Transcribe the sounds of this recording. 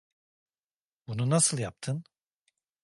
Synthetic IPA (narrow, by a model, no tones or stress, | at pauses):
bununasɯlˠjap̚t̪ʰɯn